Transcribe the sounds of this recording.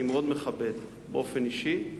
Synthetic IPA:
imeod̪meχabed̪ | beʔofeniʃi

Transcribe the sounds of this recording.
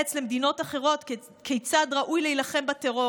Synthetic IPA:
et͡sle̞med̪ino̞taχe̞ʁo̞t̪k | kʰejt͡sad̪ʁaʔujleilaχe̞mbateʁo

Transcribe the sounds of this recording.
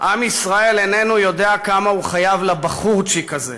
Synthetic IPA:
ʔamisʁae̞lene̞nujo̞d̪eakamahuχajavlabaχuʁt͡ʃikaze

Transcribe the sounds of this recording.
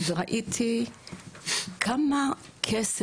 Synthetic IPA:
zɔɾaʔitʰi | kʰama | kʰɛs

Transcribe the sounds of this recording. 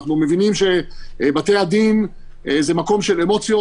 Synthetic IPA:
χnume̞vinimʃe̞bat̪ejad̪in | zemako̞mʃe̞lemo̞t͡sjo

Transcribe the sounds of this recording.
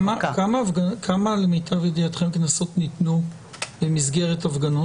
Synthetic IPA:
makamavɡakʰamalemitavedijatχemknaso̞tnitnu | bemizɡe̞ʁetavɡano

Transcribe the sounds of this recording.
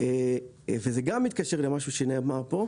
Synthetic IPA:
e | vezeɡamːit̪̚kaʃeʁlemaʃuʃeneamaʁpo̞

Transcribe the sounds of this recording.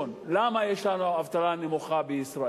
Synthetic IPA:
onlamajeʃlanuavt̪alanemuχabeisɾa

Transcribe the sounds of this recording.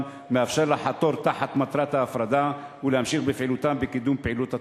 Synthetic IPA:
meʔafʃaɾˤlaħat̪oɾt̪aħat̪mat̪ɾˤat̪haːfɾˤɑd̪awɪlehamʃixbefʕilut̪ambekid̪umpʕilut̪ha

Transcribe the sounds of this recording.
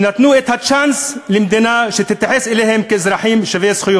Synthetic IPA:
nat̪nuːʔɪt̪haʃanslɪmd̪inaʃɪt̪ɪt̪ːaħɪsʔɪleːhɪmkaɪzɾˤɑħiːmʃaveːsxʊjoː

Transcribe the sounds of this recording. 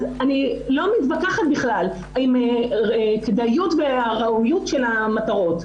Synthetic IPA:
anilo̞mit̪bakaχat̪̚biχlal | aime | kd̪ajutveaʁaujutʃelamat̪aʁo̞t

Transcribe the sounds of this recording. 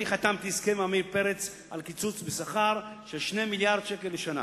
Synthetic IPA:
iχat̪amt̪iskemamipeʁet͡s | a̰lkit͡sut͡sbesaχaʁʃeʃnemiljaʁd̪̥ʃekeleʃana̰

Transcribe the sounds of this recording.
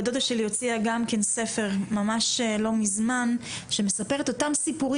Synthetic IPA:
d̪odaʃelijo̞t͡siaɡamke̞nse̞fe̞ʁmamaʃlo̞mizmanʃe̞me̞sape̞ʁet̪o̞tamsipuʁi

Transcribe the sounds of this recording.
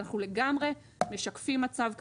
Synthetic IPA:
naχnule̞ɡamʁe̞ | me̞ʃakfimːat͡savk

